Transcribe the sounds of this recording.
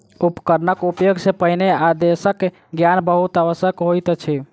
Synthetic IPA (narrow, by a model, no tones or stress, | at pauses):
upəkəɾnəkupjoɡsepəinead̪esək | ɡjanbəɦut̪aʋəsjəkɦojt̪t͡ʃʰi